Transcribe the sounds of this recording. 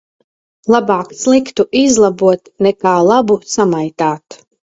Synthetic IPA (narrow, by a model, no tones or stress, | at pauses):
lˠabaːkslˠikt̪uʔizlˠabuɔt̪nɛkaːlˠabusamajt̪aːt̪